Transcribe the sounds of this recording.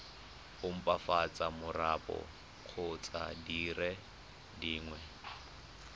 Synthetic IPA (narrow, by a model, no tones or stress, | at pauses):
ʊm̩pʼafat͡sʼamʊrapʼɔ̰ | q͡χʰʊt͡sʼa̰dirɛ | diːŋwɛ